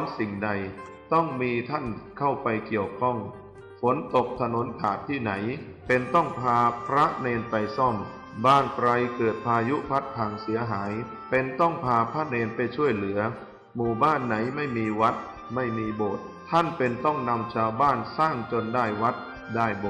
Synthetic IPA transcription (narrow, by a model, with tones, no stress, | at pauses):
tʰa˦˥msi˨˩ŋda˧j | t̪ɔ˥˩ŋmiː˧t̪ʰa˥˩nkʰa˥˩wpa˧jki˨˩əwkʰɔ˥˩ŋ | fo˩˦nt̪o˨˩k̚t̪ʰa˧no˩˦nt̪ʰaː˨˩t̪ʰːiː˥˩na˩˦j | pe˧nt̪ɔ˥˩ŋpʰaː˧pʰɾa˦˥ʔneː˧npa˧jsɔ˥˩m | baː˥˩nkɾa˧jkɤː˨˩t̪̚pʰaː˧ju˦˥pʰa˦˥t̪̚pʰaː˨˩ŋsi˩˦ɐɦaː˩˦j | pe˧nt̪ɔ˥˩ŋpʰaː˧pʰɾa˦˥neː˧npa˧jt͡ɕʰu˥˩əjlɯ˩˦ɐ | muː˨˩baː˥˩nːa˩˦jma˥˩jmiː˧wa˦˥t̪̚ | ma˥˩jmiː˧boː˨˩t̪̚t̪ʰa˥˩npe˧nt̪ɔ˥˩ŋna˧mt͡ɕʰaː˧wbaː˥˩nsaː˥˩ŋt͡ɕo˧ndaː˥˩jwa˦˥t̪̚ | daː˥˩jbo˨˩